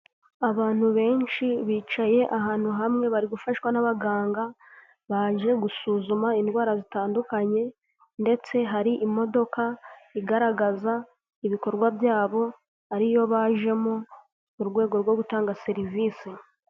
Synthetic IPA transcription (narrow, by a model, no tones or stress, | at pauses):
aβaːn̥huβe̞ːɲʃiβiːt͡ʃaje̞ʔaɦaːn̥huɦamŋe̞βaɾiɡufaʃwanaβaɡaːŋɡa | βaʒe̞ɡusuːzumaindwaːɾazitaːndukaɲe̞ | nde̞t͡se̞ɦaɾiʔimo̞do̞kaiɡaɾaɡaza | iβiko̞ɾɡwabjaːβo̞ | aɾijo̞βaʒe̞mo | uɾɡwe̞ːɡo̞ɾɡwo̞ɡutaːŋɡase̞ɾiviːsi